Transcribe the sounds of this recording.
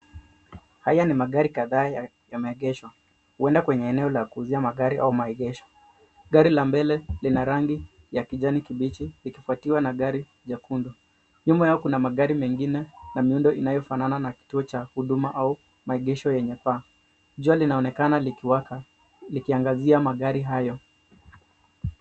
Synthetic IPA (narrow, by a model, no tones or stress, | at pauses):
hajanimaɠaɾikaðaːja | jamaɛɠɛʃwa | huɛndakwɛɲɛːnɛɔlakuːziamaɠaɾiʔa̰umaɛɠɛʃɔ̥ | ɡaɾilambɛlɛlinaɾaŋɡi | jakiʄanikiɓit͡ʃilikifuatiwanaɠaɾi | ʄakundɔ | ɲumbajaɔkunamaɠaɾimɛŋɡinɛnamiundɔʔinajɔfanananaki̥tuɔt͡ʃahuɗumaʔau | maɛɠɛʃɔjɛɲɛpaː | ʄualinaɔnɛkanaliwak | likiaŋɡaziamaɠaɾiɦajɔ